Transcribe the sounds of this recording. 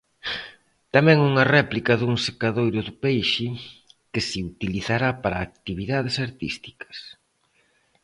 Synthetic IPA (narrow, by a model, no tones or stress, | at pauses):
t̪amɛŋuŋɐrɛplikɐðuŋsekaðojɾʊðʊpejʃɪkɪsɪut̪iliθaɾapaɾɐːk̚t̪iβiðaðɪsaɾt̪ḭst̪i̥kɐ̥s